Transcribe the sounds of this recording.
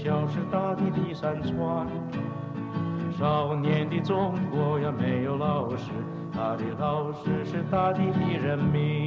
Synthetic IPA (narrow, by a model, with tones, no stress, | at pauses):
jɑ˨˧˩ʊʂɻ̩˥˧t̪a˥˧t̪i˥˧t̪i˥˩sa˥nt͡sʰwa˥˧˩ | ʈ͡ʂɻ̩˥˧˩ʂɑ˧˩ʊnjɛ˧˥nt̪i˥˩t͡sʊ˥ŋkwɔ˧˥jɛ˧˩me˧˥ɪjo˧˥ʊlɑ˥˩ʊʂɻ̩˧˥ | t̪ʰa˧˩t͡ɕɛ˧˥t̪ɑ˥˧ʊʂɻ̩˥ʂɻ̩˥˧t̪a˥˧t̪i˥˧t̪i˥˩ɻə˧˥nmi˧˥